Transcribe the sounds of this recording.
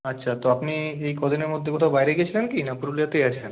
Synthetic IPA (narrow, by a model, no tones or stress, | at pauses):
ɐtːɕʰat̪oapniejkɔd̪ʱineɾmod̪ʱːekɔt̪ʰaʊbajɾeɡijet͡ɕʰilenkinapuɾulijat̪ejat͡ɕʰen